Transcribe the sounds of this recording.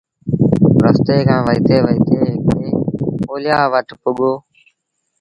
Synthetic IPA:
ɾəst̪eːkʰãːʋəiːt̪ʰeːʋəiːt̪ʰeːɦkeːoːlɪjaːʋəʈpʊɠoː

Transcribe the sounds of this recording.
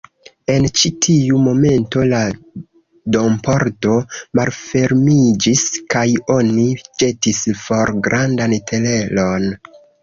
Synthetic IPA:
e̞nt͡ʃitʰiumo̞me̞nto̞la | do̞mpoɾto̞malfe̞ɾmid͡ʒiskajo̞nid͡ʒe̞tisfo̞ɾɡɾandantʰele̞lo̞n

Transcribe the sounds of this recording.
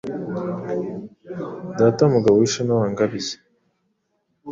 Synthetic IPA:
daːtamuɡawiiʃanawaːŋɡaβize̥

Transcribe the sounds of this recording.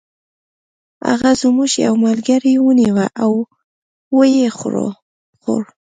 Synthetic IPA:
a̰ɣazmuʒja̰wmalɡaɾiwəniwaʔaw | wəjexɾo̰ | xo̰ɽ

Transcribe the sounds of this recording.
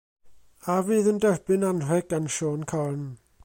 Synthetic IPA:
aviːðəndɛrbɪnanr̥ɛɡanʃoːnkʰɔrn

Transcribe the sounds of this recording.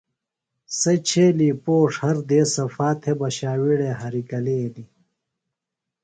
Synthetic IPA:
sɐt͡ɕʰeːliːpoːʂhɐɾd̪eːsɐfaːt̪ʰebɐɕaːwiɽeɦɐɾikɐleːli

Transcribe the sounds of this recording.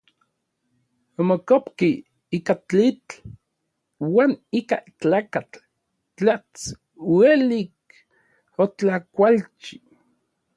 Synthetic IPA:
omokopki | ikat͡ɬit͡ɬ | waːnikat͡ɬaːkat͡ɬ | t͡ɬat͡s | welik̚ | ot͡ɬakʷalt͡ʃi̥

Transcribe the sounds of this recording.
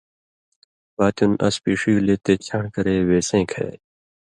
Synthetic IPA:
baːt̪unɐ̰spiːʂijuleːt̪eːt͡ɕʰãːɳkɐɾeːweːsẽːkʰḛː

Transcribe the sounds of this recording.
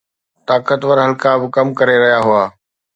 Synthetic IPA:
t̪aːkət̪ʋəɾɦɐlkabɪkɐmkɐɾeɾɐɦijaɦʊaː

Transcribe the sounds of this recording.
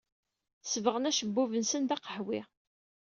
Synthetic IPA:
svəʁənæʃəbːuvənsənd̪ɑqəħwɪ

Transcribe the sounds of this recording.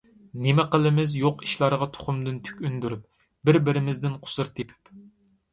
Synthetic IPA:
nemɛqəlˠɪmɪzjoqi̥ʃlˠɑɾʁɑt̪ʰo̥χʊmd̪ɨnt̪ʰy̥kʲynd̪yɾyp̚ | bɪɾbɪɾɪmɪzd̪ɪnqʰʊ̥sɨɾt̪ʰepʰɪ̥p

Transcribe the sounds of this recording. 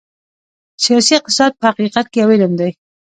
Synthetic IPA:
sijɑsiqt̪ɪsɑd̪̚pəhaqiqat̪̚kejawɪləmd̪aj

